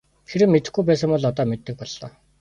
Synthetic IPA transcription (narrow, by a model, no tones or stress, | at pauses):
t̪ʰeɾɘ̆mːet̪ɘ̆xɡujpæːs̬ə̆mpɔɮɔt̪ɔːmet̪ːɘ̆k̚pɔɮːɔː